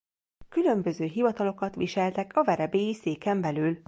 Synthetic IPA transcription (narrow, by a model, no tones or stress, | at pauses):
kylø̞mbø̞zøːɦivɒt̪ɒlo̞kɒt̪ʋḭʃɛlt̪ɛkɒvɛɾɛbeːjiseːkɛmbɛlyːl